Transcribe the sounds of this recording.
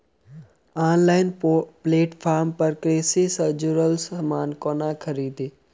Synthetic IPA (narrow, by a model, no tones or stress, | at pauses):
aːnlaːɪnpleːʈfʰaːɾmpəɾkɾeːsisəd͡ʒuɾəlsəmaːnkoːnakʰəɾiːd̪iː